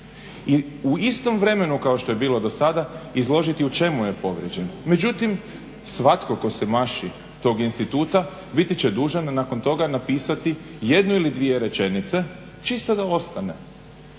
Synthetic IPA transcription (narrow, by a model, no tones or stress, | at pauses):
i | uist̪o̞mʋɾe̞me̞nukaoʃt̪o̞je̞biːlˠo̞d̪o̞sad̪aizlˠo̞ʒit̪iut͡ʃe̞muje̞po̞ʋɾjed͡ʑe̞nme̞d͡ʑut̪im | sʋat̪ko̞ko̞semaʃi | t̪o̞ɡinst̪it̪uːt̪a | bit̪it͡ɕed̪uːʒanːako̞nt̪o̞ɡanapiːsat̪ije̞d̪nuilid̪ʋije̞ɾe̞t͡ʃe̞nit̪se̞ | t͡ʃist̪od̪ao̞st̪anḛ